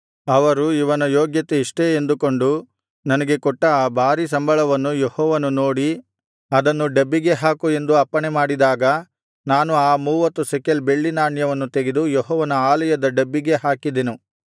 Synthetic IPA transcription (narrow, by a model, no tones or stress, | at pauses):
ɐʋɐɾuiʋɐnɐjoːɡjɐt̪eiʂʈeend̪ukoɳɖu | nɐnɐɡe̞kɔʈːɐbʱaːɾis̬ɐmbʱɐɭɐʋɐnːujehɔːʋɐnuno̞ːɽi | ɐd̪ɐnːuɖebːiɡe̞ɦaːkue̞nd̪uɐpːɐɳemaːɽid̪aːɡɐ | naːnuaːmuːʋɐt̪ːusekelbeɭːinaːɳjɐʋɐnːut̪eɡed̪ujeɦɔːʋɐnɐaːlɐjɐd̪ɐɖebːiɡe̞ɦaːkid̪enu